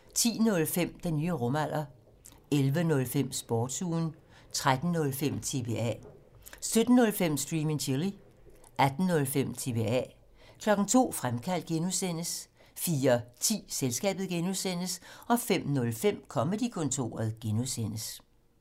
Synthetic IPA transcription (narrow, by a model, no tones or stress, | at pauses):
t͡sʰḭːnɔ̽lfem̰d̥enːyːəʁɔ̽mæl̰ʔɐ | elʋənɔ̽lfem̰sb̥ɒːd̥suːn | t͡sʰʁad̥n̩nɔ̽lfem̰t͡sʰe̝̰ʋe̝ɛ̰ | sød̥n̩ːɔ̽lfem̰sd̥ʁiːmeŋt͡ɕʰili | ʔæd̥n̩ːɔ̽lfem̰t͡sʰe̝ʋe̝ɛ̰ | kʰlɒ̽ɡ̥n̩t͡sʰo̝̰ːfʁamkʰæl̰d̥̚ɡ̥enuðˠsen̰əs | fiːɐt͡sʰḭːselsɡ̥ɛ̰ːb̥ð̩ˠɡ̥enuðˠsen̰əsɒ̽fem̰nɔ̽lfem̰kʰɒ̽məd̥ikʰɔ̽nt͡sʰo̝̰ːɐð̩ˠɡ̥enuðˠsen̰əs